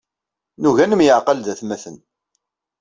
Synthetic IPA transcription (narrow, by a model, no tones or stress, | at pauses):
nuʝænəmjəʕqəlðæθmæθən